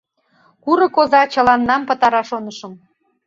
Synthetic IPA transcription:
kuɾɤ̆kozɑt͡ɕə̆lɑnːɑmpə̆t̪ɑɾɑʃonəʃə̆m

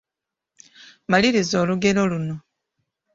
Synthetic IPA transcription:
maliɾizo̞ːluɡe̞lo̞luno̞

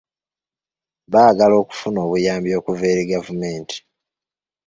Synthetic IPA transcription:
βaːɡalo̞ːku̥funo̞ːβujaːmbjo̞ːkuveːɾiɡavumeːnti̥

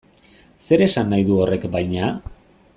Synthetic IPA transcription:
se̞ɾe̞sanːajðuo̞re̞kbajɲa

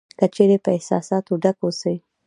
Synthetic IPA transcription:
kət͡ʃeɾepəɪhsɑ̰sɑt̪oɖakosəwi

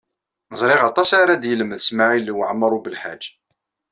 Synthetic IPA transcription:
zˤɾˤɪʁɑt̪ˤɑsʕaɾad̪jələmðəsmaʕilwəʕmːəɾˤubəlħa̰d͡ʒː

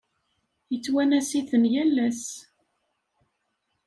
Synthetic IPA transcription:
jət͡sːwænæsiθənjælːæs

